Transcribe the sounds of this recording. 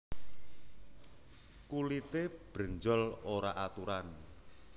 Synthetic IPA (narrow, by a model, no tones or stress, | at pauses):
kulit̪eb̥ɾəɲd͡ʒɔloɾaʔat̪uɾan